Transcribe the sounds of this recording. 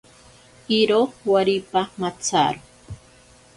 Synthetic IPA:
iɾowaɾipamat͡sa̰ɾo

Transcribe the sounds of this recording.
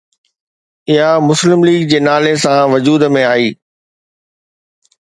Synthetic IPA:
ɪɦamʊslɪmliːɡd͡ʑeːnaːlesãʋɐd͡ʑuːd̪mẽaːiː

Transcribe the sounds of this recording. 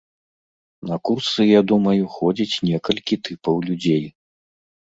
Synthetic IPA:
nɐkursɨjad̪umɐjuxɔd͡zʲit͡sʲnʲɛkɐlʲkʲit̪ɨpɐwlʲud͡zʲej

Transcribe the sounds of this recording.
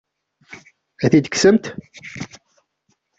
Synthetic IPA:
æθid̪əksəmt̪

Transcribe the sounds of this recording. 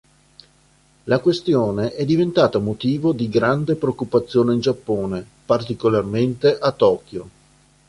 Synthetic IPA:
lakwest̪joːneʔɛd̪ːivent̪aːt̪amot̪iːvod̪iɡɾand̪epɾeokːupat̪sːjoːneind͡ʒapːoːne | part̪ikolarment̪eʔat̪ːɔːkjo

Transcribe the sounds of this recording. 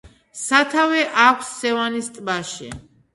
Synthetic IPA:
sat̪ʰavɛʔakʷʰsːɛvanist̪ʼbaʃɛ̰

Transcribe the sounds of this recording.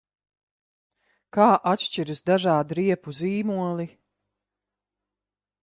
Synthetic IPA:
kaːʔat̪ʃt͡ʃiɾusd̪aʒaːd̪ɾiɛpuziːmuɔlˠi

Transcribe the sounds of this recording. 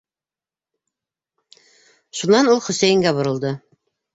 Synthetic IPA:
ʃunɑnulˠχɵ̆sæjɘ̆ŋɡæbŏɾɤ̆lˠd̪ɤ

